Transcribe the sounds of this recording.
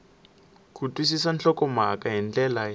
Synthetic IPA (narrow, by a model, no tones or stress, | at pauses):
kʰʼutʼwis̬isant͡ɬɔkʼɔmakʼaɦɛnt͡ɬɛla